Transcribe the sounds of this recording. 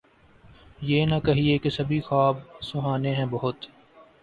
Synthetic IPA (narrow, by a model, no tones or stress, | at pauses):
jeːnɐkɐɦiekesɐbʱixaːb̚sʊɦaːneɦɛ̃ːbɐɦʊt̪